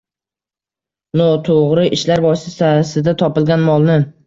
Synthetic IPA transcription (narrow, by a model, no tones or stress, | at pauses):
nɒt̪ʰoʁɾɪʔɪʃlaɾbɒsɪsasɪd̪at̪ʰɒpɪlɡʲanmɒlˠnɪ